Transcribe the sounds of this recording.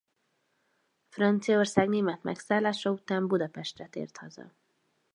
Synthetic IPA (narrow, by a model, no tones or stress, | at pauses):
frɒnt̪sijɒorsaːɡneːmɛt̪mɛ̰ksaːlaːʃɒut̪aːmbud̪ɒpɛʃt̪rɛt̪ḛːrt̪hɒzɒ̰